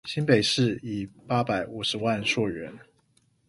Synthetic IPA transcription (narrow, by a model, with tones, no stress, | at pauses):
ɕi˥npe˨˩ɪʂɻ̩˥˨i˨˩pa˥pa˨˩ɪu˨˩ʂɻ̩˧˦wa˥˧nʂwɔ˥˩ɥɛ˧˦n